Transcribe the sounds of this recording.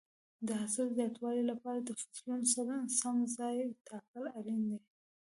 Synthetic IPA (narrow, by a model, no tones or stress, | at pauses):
d̪əɦasalzjɑt̪wɑlilapɑɾad̪əfḁt̪lunsaɾansamzɑjt̪ɑkəlaɾind̪e